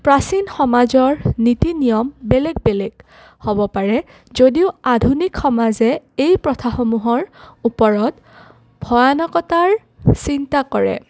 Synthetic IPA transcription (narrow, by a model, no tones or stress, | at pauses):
pɹasinxɔmazɔɹnitinijɔmbeleɡ̚belɛɡ | hobɔpaɹɛ | zodiʊadʱunikxɔmazɛejpɹɔtʰaxɔmuɦɔɹupɔɹɔt | bʱɔjanɔkɔtaɹ | sintakɔɹɛ̰